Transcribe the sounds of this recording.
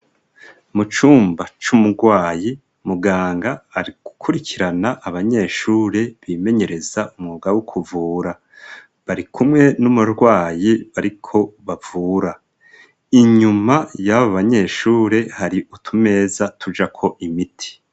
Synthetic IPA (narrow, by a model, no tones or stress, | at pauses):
mut͡ʃuːmbat͡ʃumuɾɡwaːji | muɡaːŋɡaːɾiɡ̥ukʰuɾicʰiɾanaʔːβaɲe̞ːʃuːɾe̞βiːme̞ɲe̞ɾe̞zaʔumŋuɡawukʰuvuːɾa | βaɾikʰumŋe̞numuɾɡwaːjiβaɾikʰo̞βav̥uːɾa | iɲumajaβoβaɲe̞ːʃuːɾe̞haɾiʔutʰume̞ːzatʰud͡ʒakʰo̞ʔimitʰi̥